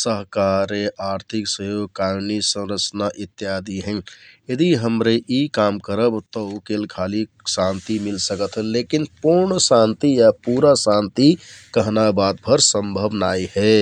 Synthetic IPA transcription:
səɦkaɾeʔaɾt̪ʰiksəjoɡ̚kaɾnisə̃nɾət͡ʃnaʔit̪ːjad̪iɦə̃njed̪iɦəmɾeʔikamkəɾəbt̪ɔukelkʰali | sãnt̪imilsəkət̪ʰɦənlekinpuɾɳsãnt̪ijapuɾasãnt̪ikəɦnabad̪̚bʱəɾsə̃mbʱəbnajɦɛ

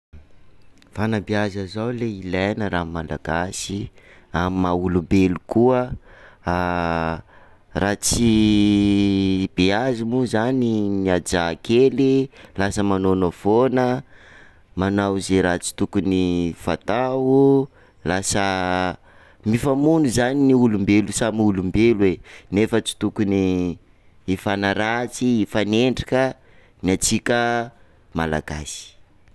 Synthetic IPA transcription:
v̥anəbiazəzawleilajnəɾammala̰ɡasi | ammaulumbelukuə | rat͡si | beazimuzanimiad͡zakʰelilasəmanonofonə | manawzeɾat͡si̥t̪ukunifa̰t̪awu | lasə | mifamunuzaniniulumbelusamiulumbelwenefət͡si̥t̪ukuni | ifanəɾat͡siifaneɳɖ͡ʐikə | niat͡sikʲə | mala̰ɡa̰si̥

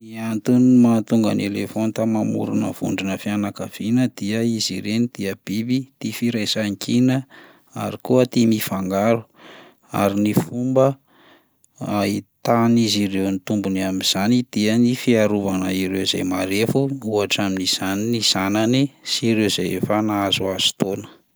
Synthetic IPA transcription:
iant̪unmat̪uŋɡa̰nelefont̪amamṵɾunə̰v̥ṵɳɖ͡ʐinəfianakəv̥inəd̪̥iəiziɾenid̪̥iəb̥ibit̪ifiɾajsaŋkinə | a̰ɾikuət̪imifaŋɡaɾu | a̰ɾinifumbə | ait̪anizirewnit̪umbuniamiz̥anid̪̥iənifiaɾuvanəiɾeuzejmaɾefuuaʈ͡ʂaminiz̥aniniz̥ananisiɾewzejfanaazuaz̥u̥t̪onə̥

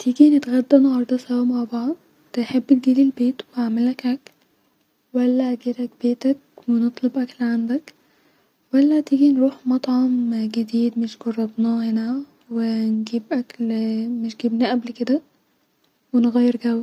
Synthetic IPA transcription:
t̪iːɡinet̪ɣæd̪ːænɑhɑɾˤd̪ˤɑsæwæmaʕbɑʕd̪̚ˤ | enħebːt̪ɡiːlilbeːt̪waʕmelækæk | wælːæɡiːɾæk̚b̥eːt̪æk̚wenet̪ˤlobʔæklʕand̪æk | wælːæt̪iːɡinɾuːħmɑt̪ˤʕɑmɡed̪iːd̪meʃɡɑrˤːɑb̪nɑhenæ | wenɡiːbʔæklmeʃɡiːbnæʔæblked̪æ | wenɣæjːeɾɡæwːæ

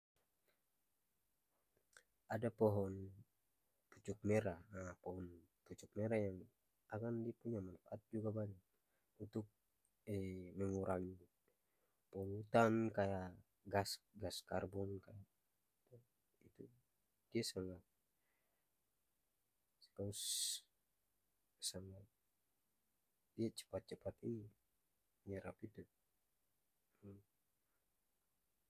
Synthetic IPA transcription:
adapɔɦɔn | put͡ʃuk̚mɛɾaapɔɦɔn | put͡ʃuk̚mɛɾajaŋ | akandiapuɲamanfaʔat̪̚d͡ʒuɡabaɲak | unt̪uk̚ | ɛmɛŋuɾʔaŋ | pɔlut̪ankaja | ɡasɡaskarbɔnkaja | t̪u | it̪u | d̥iasaŋat̪̚ | kaus | saŋat̪̚ | diat͡ʃə̥pat̪̚t͡ʃəpat̪ini | ɲəɾapit̪u

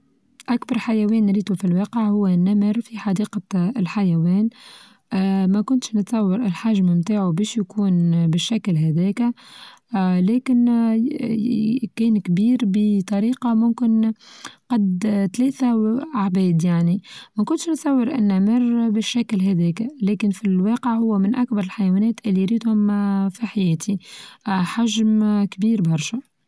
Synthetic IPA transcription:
ʔakbɑɾˤħajæwɛːnɾiːt̪ufilwɑːqəʕhʊwːænːæməɾfiħɑd̪iːqɑlħajæwɛːn | mækʊnt̪ʃnət̪sˤɑwːɪɾɪlħaʒmmt̪aːʕubɛːʃjkuːnbɪʃːæklɦæðɛːkæ | lɛːkɪn | kɛːnkbiːɾbət̪ˤɑɾiːqɑmʊmkɪnqɑd̪t̪lɛːθaaʕbɛːd̪jaʕnimækʊnt̪ʃnsˤɑwːɪɾʔɪ̰nːæmɪrbɪʃːæklɦɛd̪ɛːkælɛːkɪnfilwɑːqəʕhʊwːæmɪnʔak̚bɑɾɪlħajwænɛːt̪ʔɪlːijɾiːd̪hʊmfiħajɛːt̪ʰi | ħaʒmkbiːɾbɑɾˤʃæ

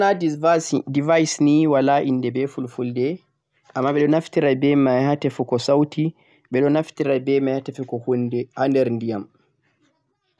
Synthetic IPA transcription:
na | divajsniwalaʔinːdɛbɛfulfuldɛ | ʔamːaːɓɛɗɔnaftiɾabɛmajhatɛfukɔsawtʰi | ɓɛɗɔnaftiɾabɛmajhatɛfukɔhundɛhandɛɾndijam

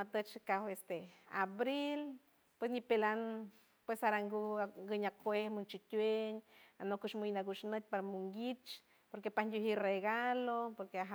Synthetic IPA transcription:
mat̪ət͡ʃkawest̪eabɾil | pwes̬nipelan | pwesaɾaŋɡuŋɡəɲakwehmunt͡ʃit̪ʲweɲanokuʃmujnaɡuʃnət̪̚ʲpaɾamuŋɡit͡ʃ | poɾkepand̪ʲjuɦireɡalopoɾkeaɦa

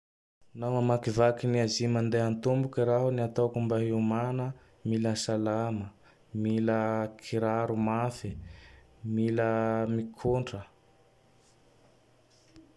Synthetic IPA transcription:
namamakivakiniazimand̪eɦant̪umbukiɾaɦuniat̪akumbaɦiumanə | miləsalamə | miləkʰiɾaɾumafi | miləmikʰuɳɖ͡ʐə

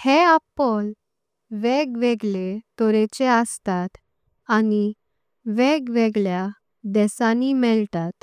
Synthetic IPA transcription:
heapɔl | ʋɛɡʋeɡɭet̪ɔɾet͡ɕeəst̪at̪ | ani | ʋɛɡʋɛɡɭja | d̪ɛsanimɛɭt̪at̪

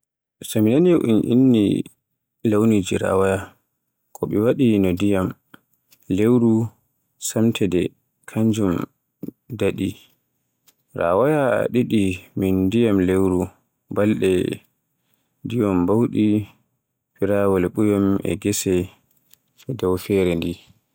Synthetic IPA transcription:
saminaniʔṵnʔḭnːḭ | lawnid͡ʒiɾa̰waja | kʰɔɓɛwaɗinɔdijam | lewɾu | samtʰɛdɛ | kʰaɲd͡ʒum | daɗi | ɾa̰waja̰ɗiɗimindijamlewɾu | balɗɛ̰ | dijɔmbawɗi | piɾawɔlɓujɔmɛ̰ɡɛsɛ | ɛdɔwfɛɾɛndi

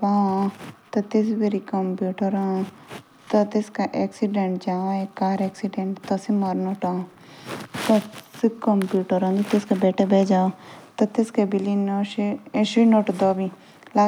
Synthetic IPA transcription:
pãːt̪ɐt̪ɪsbeɾikɐmpjuːʈəɾã | t̪ɐt̪ɪskaʔeːksiɖeɳʈd͡ʒãːekaːɾeːksiɖeɳʈt̪ɐsimaɾnoːʈãː | t̪ɐsikɐmpjuːʈəɾãːd̪it̪ɪskebeːʈʰebeːd͡ʒaːot̪ɐt̪ɪskebilinoʃeʃinoːʈd̪oːbi | la

